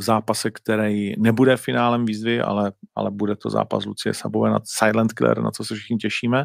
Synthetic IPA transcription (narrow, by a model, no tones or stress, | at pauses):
vzaːpasɛkt̪ɛɾɛjnɛbudɛfɪnaːlɛmviːzvɪʔa̰lɛʔa̰lɛbudɛt̪o̞̰za̰ːpaslut͡sɪjɛ̰sabovɛːna̰sajlɛnt̪kɪlɛ̰ɾna̰t͡sosɛfʃɪ̥xɲɪcɛʃiːmɛ